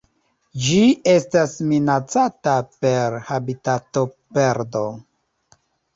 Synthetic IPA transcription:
d͡ʒie̞stasminat͡satape̞ɾhabitato̞pe̞ɾdo̞

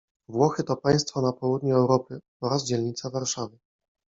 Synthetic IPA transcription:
vwɔxɘt̪ɔpaj̃st̪fɔnapɔwud̪ɲuɛwɾɔpɘ | ɔɾazd͡ʑɛlɲit̪savaɾʂavɘ

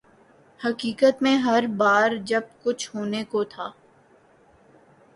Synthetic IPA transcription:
hɐkiːkət̪mẽɦɐɾbaːɾd͡ʒɐb̚kʊt͡ʃʰhoːnekot̪ʰaː

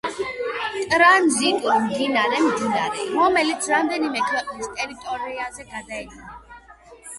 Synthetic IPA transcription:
tʼɾanzikʼɔmd̪inaɾɛmd̪inaɾɛɾɔmɛlit̪sʰɾamd̪ɛnimɛkʰwɛqʼnist̪ʼɛɾit̪ʼɔɾiazɛɡad̪aɛd̪ʼina

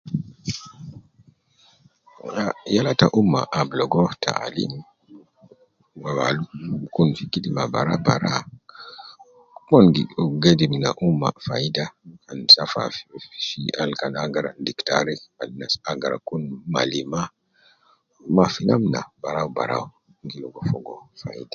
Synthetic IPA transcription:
ajalataʔumːa̰ʔːblɔɡɔtʰa̰a̰lḭn | wawalukunfikidimabaɾa̰baɾa̰ | mɔnɡiɡedimnaʔumːa̰fajidaansafa̰ʃialkanaɡaɾa̰ndiktaɾiadnasaɡaɾa̰kunma̰lima | mafinamna̰baɾawba̰ɾa̰w | ŋɡilɔɡɔfɔɡɔfaḭda

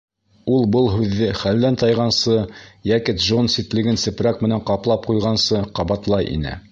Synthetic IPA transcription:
ulˠbɤlˠɦʉðːɘχælːænt̪ɑjʁɑnsɤjækɘt̪ʒonsit̪lɘ̆ɡɘnsɘ̆pɾækmɘ̆næɴqɑplˠɑp̚qujʁɑnsɤqɑβɑt̪lˠɑjʔḭnɘ̰

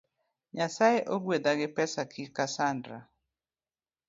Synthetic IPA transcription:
ɲasajeʔoɡwed̪aɡɪpɛsakʰikasandɾa̰

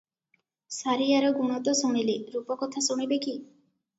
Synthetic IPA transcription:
saɾijaɾɔɡumɔt̪ɔsɔmileɾupɔkɔt̪ʰasuɽ̃ibeki

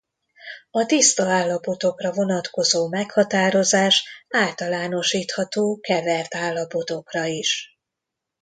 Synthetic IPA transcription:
ɒt̪ist̪ɒaːlːɒpo̞t̪o̞krɒvo̞nɒt̪ko̞zoːmɛkhɒt̪aːɾo̞zaːʃaːlt̪ɒlaːno̞ʃiːt̪hɒt̪oːkɛvɛrt̪aːlːɒpo̞t̪o̞krɒiʃ

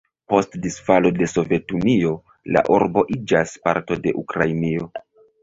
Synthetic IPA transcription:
po̞stdisfalo̞de̞so̞ve̞tunio̞ | la̰ʔuɾbo̞ʔid͡ʒaspa̰ɾto̞de̞̰ʔukɾainio̞

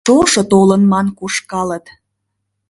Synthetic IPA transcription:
oʃŏt̪olənmɑnkuʃkɑlət̪

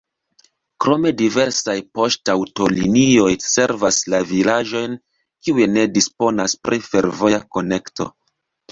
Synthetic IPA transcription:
kɾo̞me̞dive̞ɾsajpo̞ʃtawto̞linio̞jse̞ɾvaslavilaʒo̞jn | kiujene̞dispo̞naspɾife̞ɾvo̞jako̞ne̞kto̞̰

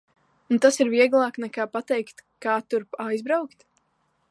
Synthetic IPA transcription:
nut̪asiɾviɛɡlˠɑːknɛkaːpat̪ɛjkt̪kaːt̪uɾpajzbɾawkt̪

